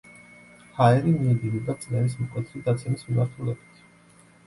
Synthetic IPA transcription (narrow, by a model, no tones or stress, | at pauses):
haɛɾiniːd̪inid̪at̪sʼlɛmis̬mɔkʼwɛt̪ʰɾid̪at̪sʰɛmismimaɾt̪ʰulˠɛbit̪ʰ